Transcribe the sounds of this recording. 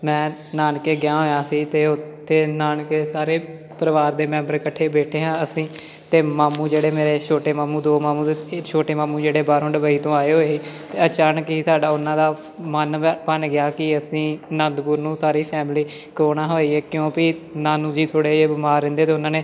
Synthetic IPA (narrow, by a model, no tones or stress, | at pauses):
mɛ̃ːnaːnkeːɡɪjãːɦoːjãːsiːt̪eːʊt̪ʰːeːnaːnkeːsaːɾeː | pəɾəʋaːɾd̪eːmɛ̃ːmbəɾkəʈʰːeːbeːʈʰeːɦãːəsĩː | t̪eːmaːmũːd͡ʒeːɽeːmeːɾeːt͡ʃʰoːʈeːmaːmũːd̪oːmaːmũːt̪ːt͡ʃʰoːʈeːmaːmũːd͡ʒeːɽeːbaːɾõːɖəbaːiːt̪õːaːeːɦoːeːsiːt̪eːət͡ʃaːnəkiːsaːɖaːʊnːãːd̪aː | mənpənɡɪjaːkɪəsĩːnãːnd̪buːɾnũːt̪aːɾiːpʰɛːmliː | kɾoːɳaːɦoːiːeːkjõːpɪnaːnũːd͡ʒiːt̪ʰoːɽeːeːbɪmaːɾːɪ̃nd̪eːt̪eːʊnãːneː